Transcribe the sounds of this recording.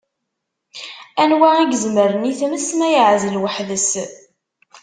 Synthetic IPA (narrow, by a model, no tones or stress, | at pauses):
ænwaiɡzməɾəniθməsmæjəʕzəlwəħðəs